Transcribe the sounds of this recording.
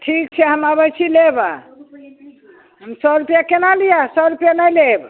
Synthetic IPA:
ʈʰik̚t͡ʃʰɛɦəmabət͡ʃʰileba | ɦəmsəɾupjakenalijasəɾupjanajleb

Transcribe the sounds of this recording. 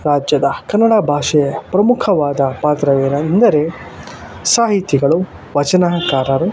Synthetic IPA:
ɾaːd͡ʒjɐd̪ɐkɐnːɐɽaːbʱaːʂɐjɐpɾɐmukʰɐʋaːd̪ɐpaːt̪ɾɐʋeːnɐnd̪ɐɾe | saːɦit̪iɡɐɭu | ʋɐt͡ʃɐnaːkaːɾɐɾu

